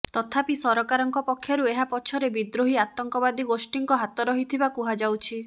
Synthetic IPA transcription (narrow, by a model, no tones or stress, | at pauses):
t̪ɔt̪ʰapisɔɾɔkaɾɔŋkɔpɔkʰːjɔɾueɦapɔt͡ʃʰɔɾebid̪ɾoɦiat̪ɔŋkɔbad̪iɡosʈiŋkɔɦat̪ɔɾɔɦit̪ʰibakuɦad͡ʒawt͡ʃʰi